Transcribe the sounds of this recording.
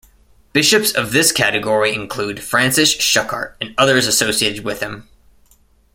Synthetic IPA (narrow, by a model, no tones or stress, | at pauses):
b̥ɪʃɨpsʌvðɪskʰæɾɨɡɔɹiɨ̃nkʰl̥ud̥fɹæ̃nsɨsʃʌkʰɑ̰ɹɾɨ̃nʌðə˞zɨsoʊsieɪɾɨd̚wɨð̥ɨ̃m